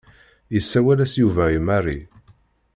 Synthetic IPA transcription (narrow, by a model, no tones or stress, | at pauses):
jəsːæwælæsjuvæjimarːḭ